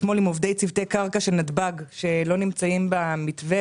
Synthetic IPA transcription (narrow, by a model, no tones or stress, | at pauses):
tmo̞limovd̪e̞jt͡sivt̪ejkaʁkaʃelnadbaɡʃe̞lo̞nimt͡saimbamit̪ve